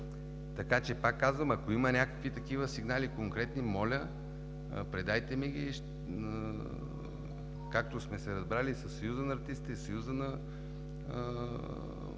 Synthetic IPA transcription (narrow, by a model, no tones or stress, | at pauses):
t̪ɐkat͡ʃɛpakːazvəmɐkoimənʲakə̥kvit̪ɐkivəsiɡnalikoŋkɾɛt̪nimɔlʲə | pɾɛd̪ajt̪ɛmɛɡʲiʃ | kak̚t̪osmɛsɛɾɐzbɾalisɐsːɐjuzənɐːɾt̪ist̪it̪ɛsɐjuzənɐ